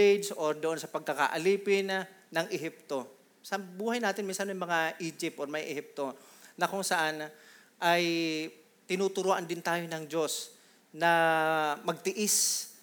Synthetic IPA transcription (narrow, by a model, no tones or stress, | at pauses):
ed͡ʒsʔoɾd̪oʔo̞nsɐpɐɡ̚kɐka̰ʔɐliːpɪnːɐŋʔɪɦɪp̚t̪o̞ | sbuːhɐjnaːt̪ɪnminsɐnmɐjmɐŋaʔiːd͡ʒɪp̚t̪ʔoɾmɐjʔɛhɪp̚t̪o̞nɐkʊŋsɐʔan | ʔaj | t̪ɪnuːt̪ʊɾoːʔɐnd̪ɪnt̪aːjonɐŋd͡ʒo̞s | nɐ | mɐɡ̚t̪ɪʔɪs